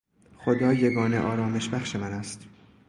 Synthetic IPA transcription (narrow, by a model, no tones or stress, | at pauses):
xo̞d̪ɒːjeɡɒːnḛʔɒːɾɒːme̞ʃbæxʃemænæst̪